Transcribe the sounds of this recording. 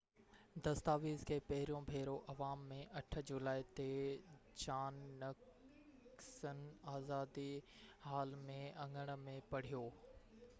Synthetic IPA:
d̪ɐst̪aːʋiːzkʰeːpɐɦɪɾijõbʱeːɾoʔɐʋaːmːẽʔɐʈʰə̆d͡ʑʊlaːit̪e | t͡ɕaːnːɐk | sənaːzaːd̪ihaːlmẽɐ̃ŋɡəɽ̃̆mẽpɐɽ̤ijoː

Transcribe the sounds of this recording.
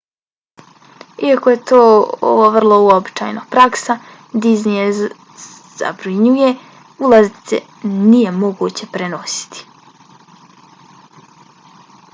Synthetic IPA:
iakojet̪oːo̰ʋoʋr̩lˠo̞uobit͡ʃa̰jnapɾaksa | d̪iznije | z̥a̰bɾiɲuje | ulˠazit̪sḛ | nije̞mo̞ɡut͡ɕe̞pɾeno̞si̥t̪i̥

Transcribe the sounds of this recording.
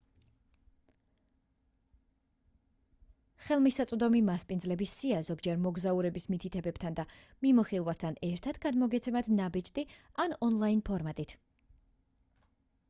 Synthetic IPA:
χɛlˠmisat̪sʼd̪ɔmimaspʼind̪zlɛbisːiazɔɡd͡ʒɛɾmɔɡzauɾɛbismit̪ʰit̪ʰɛbɛb̥t̪ʰand̪a | mimuχilˠvast̪ʰanɛɾt̪ʰat̪ɡad̪mɔɡɛt̪sʰɛmad̪nabit͡ʃʼt̪ʼi | anɔnlˠainpʰɔɾmat̪ʼit̪ʰ

